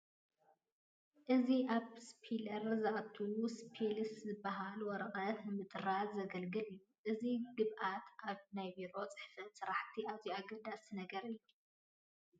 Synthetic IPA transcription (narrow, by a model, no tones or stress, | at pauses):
ʔɨziʔaβspʰilɐɾzɨʔat̪ʰːuwuspʰelɨszɨbːaɦalwɔɾɐqʼɐtmɨt̪ʼɨɾazɐɡɐlɡɨlɨjːuʔɨziɡɨβʔat̪ʔaβnajbiɾo̞t͡sʼɨ̥ħfɐt̪sɨɾaħt̪ʰiazjuaɡɐd̪asnɐɡɐɾɨjːu